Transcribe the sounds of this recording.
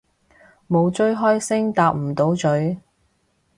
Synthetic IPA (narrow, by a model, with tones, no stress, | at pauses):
mo˨˧wt͡ʃɵ˥ɥɦɔː˥jsɪ˥ŋt̪aː˧p̚m̩˨˩t̪o˨˥wt͡ʃɵ˨˥ɥ